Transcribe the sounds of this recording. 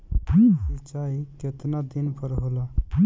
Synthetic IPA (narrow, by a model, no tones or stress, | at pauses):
it͡ʃaiket̪nad̪inpʰəɾɦola